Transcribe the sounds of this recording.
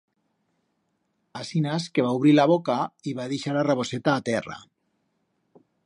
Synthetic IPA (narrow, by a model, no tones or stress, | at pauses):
asinaskeβ̞auβɾilaβ̞okaiβaðeʃaɾaraβoset̪aːt̪ɛra̰